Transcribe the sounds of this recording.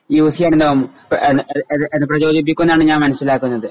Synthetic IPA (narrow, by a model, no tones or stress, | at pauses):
jiuːsijaːɳend̪omːu | enːeenːɨprɐd͡ʑo̞ːd͡ʑipːikʲːunːaːɳɨɲaːnmɐnɐsilaːkːunːɐðɨ